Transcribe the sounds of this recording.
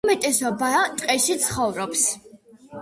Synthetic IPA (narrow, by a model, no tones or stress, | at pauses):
mɛt̪ʼɛsɔbat̪ʼqʼɛʃit̪sʰχɔvɾɔps